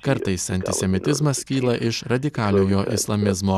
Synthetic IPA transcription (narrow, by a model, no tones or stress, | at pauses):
kɐɾt̪ɐɪsɐnʲt̪ʲɪsʲɛmʲɪt̪ʲɪzmɐskʲiːlˠɐʔɪʃɾɐd̪ʲɪkɑːlʲoːjoːʔɪslˠɐmʲɪzmoː